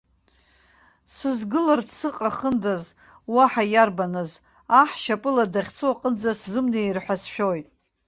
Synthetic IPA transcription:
sɨzɡɨlardsɨqʼaχəndaz | waħajarbanɨz | aħʃapʼɨladaχʲt͡sʰoaqʼənd͡zaszɨmnejrħʷᶣasʃᶣojtʼ

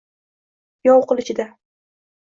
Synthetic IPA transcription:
jɒwqɨlˠɪt͡ʃɪd̪a

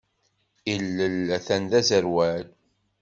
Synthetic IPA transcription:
ilːəlθænðæzəɾwæl

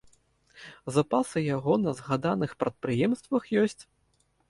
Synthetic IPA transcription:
zapasɨjaɣɔnɐzɣad̪anɨxpɾɐt̪̚pɾɨjɛmst̪vɐxjɔsʲt͡sʲ

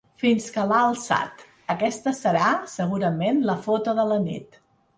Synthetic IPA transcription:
finskəlaəlˠsa̰t̪ | əkɛst̪əsəɾasəɣ̞uɾəmenləfot̪oðələnḭt̪

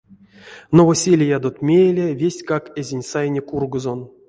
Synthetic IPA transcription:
novosʲelʲijad̪ot̪mʲejlʲevʲesʲkakezʲenʲsajnʲekurɡozon

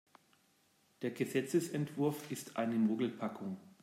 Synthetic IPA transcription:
d̥eːɐɡəzɛt͡səsɛntv̥ʊɐfɪstʰʔa̰ɪnəmoːɡl̩pʰakʰʊŋ

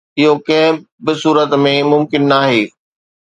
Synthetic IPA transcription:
ɪɦokɐ̃ɦɪ̃ | bɪsuːɾət̪mẽmʊmkɪnːaːɦeː

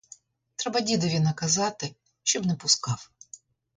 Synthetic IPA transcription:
t̪ɾɛbɐdʲid̪ɔʋʲinɐkɐzɑt̪ɪ | ʃt͡ʃɔbnɛpʊskɑw

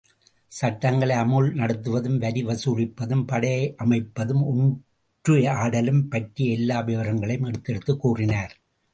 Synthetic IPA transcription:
sɐʈːɐŋɡɐɭɐɪɐmɯɭnɐɽɯt̪ːɯʋɐðɯmʋɐɾiʋɐsuːrɪpːɐðɯmpɐɽɐʔɐmɐɪpːɐðɯmʊn | ʈrɯaːɽɐlɯmpɐʈriɛlːaːʋeʋɐɾɐŋɡɐɭɐjmɛɽɯt̪ːɛɽɯt̪ːɯkːuːrɪnaːɾ

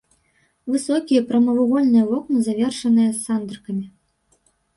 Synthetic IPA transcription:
vɨsɔkʲijɐpɾɐmɐvuɣɔlʲnɨjɐvɔknɨzavʲɛrʂɐnɨjɐsːand̪ɾɨkɐmʲi

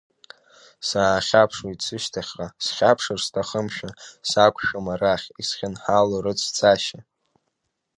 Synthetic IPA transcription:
saːχʲapʰʂwoit͡sʰɨʃtʰaχʲqʼasχʲapʰʂɨrstʰaχəmʃᶣasakʷʰʃᶣamaraχʲisχʲɪnħaloɾɨt͡sʰt͡sʰʼaʃa

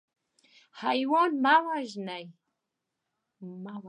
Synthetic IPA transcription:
hajwonmawaʒnaj | maw

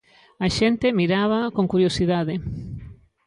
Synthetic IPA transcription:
aʃent̪emiɾaβ̞akoŋkuɾjosiðaðe

